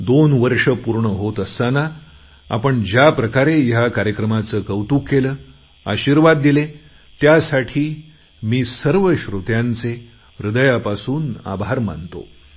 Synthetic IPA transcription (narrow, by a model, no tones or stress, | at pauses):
d̪onʋəɾʂəpuɾɳəɦot̪əst̪ana | a̰pəɳd͡ʑjapɾəkaɾejakaɾjəkɾəmat͡səːkəwt̪uːkːeləː | a̰ɕiɾʋad̪ːile | t̪jasaʈʰiː | miːsəɾʋəɕɾut̪jãnt͡se | ɾud̪əjapasuːna̰bʱaɾma̰nt̪o̰